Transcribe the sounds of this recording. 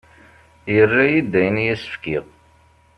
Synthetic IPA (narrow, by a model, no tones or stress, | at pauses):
jərːæjid̪ːæjənjæsə̥fkið